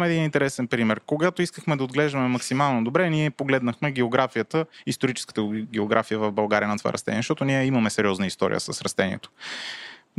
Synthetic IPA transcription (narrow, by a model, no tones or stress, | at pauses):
mɛd̪inint̪ɛɾɛsɛnpɾimɛɾkoɡat̪oiskəxmɛd̪ɐoːd̪ɡlɛʒd̪ɐmɛmɐksimalˠnod̪obɾɛniɛpoɡlɛd̪nəxmɛɡɛoɡɾafijət̪əist̪oɾit͡ʃɛ̥skə̥t̪əɡɛoɡɾʔafijəvɐvbɐlˠɡaɾʲijənɐt̪ova̰ɾɐst̪ɛ̰niɛʃt̪ɔt̪oniɛimɐmɛsɛɾʲiɔznəist̪ɔ̰ɾḭə̰səsɾɐst̪ɛnḭɛ̰t̪o̥